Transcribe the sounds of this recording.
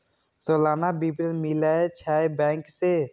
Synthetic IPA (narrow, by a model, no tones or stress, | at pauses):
soːlaːnabipɾənmilaet͡ʃʰaːebɛ̃ːŋkse